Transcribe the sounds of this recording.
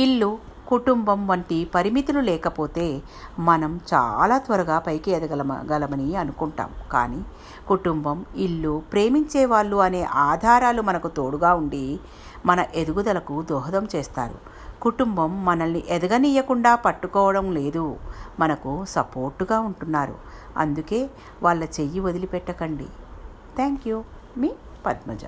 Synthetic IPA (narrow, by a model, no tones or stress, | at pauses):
iɭːu | kuʈumbɐmʋɐɳʈipɐɾimit̪ululɛːkɐpo̞ːt̪e̞ː | mɐnɐmt͡ʃa̰ːlaːt̪ʋɐɾɐɡaːpɐjkiɛd̪ɐɡɐɡɐlɐmɐniɐnukuɳʈa̰ːmka̰ːniː | kuʈumbɐmiɭːupɾe̞ːmiɲt͡ʃeːʋaːɭːuɐne̞ːʔaːd̪ʱaːɾaːlumɐnɐkut̪oːɽuɡaːuɳɖi | mɐnɐʔe̞d̪uɡud̪ɐlɐkud̪ɔːɦɐd̪ɐmt͡ʃɛːst̪a̰ːɾṵ | kuʈumbɐmːɐnɐlniʔɛd̪ɐɡɐnijɐkuɳɖaːpɐʈːukɔːʋɐɽɐmle̞ːd̪umɐnɐkusɐpo̞ːɾʈːuɡaːuɳʈunːaːɾṵ | ɐ̰nd̪uke̞ː | ʋaːɭːɐt͡ʃe̞jːiʋod̪ilipɛʈːɐkɐɳɖḭ | t̪ʰaːŋkju | miː | pɐd̪mɐ̰d͡ʒɐ̰